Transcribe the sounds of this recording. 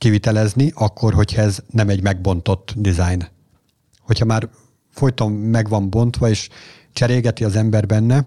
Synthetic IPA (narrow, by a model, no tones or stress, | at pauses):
kivit̪ɛlɛzniʔɒkːo̞rɦo̞cʰhɒɛznɛmɛɟmɛɡ̚bo̞nt̪o̞t̪ːd̪izajn | ho̞cʰhɒmaːr | fo̞jt̪omːɛɡʋɒmbo̞nt̪ʋɒeːʃ | t͡ʃɛɾeːɡɛt̪iɒzɛmbɛrbɛnːɛ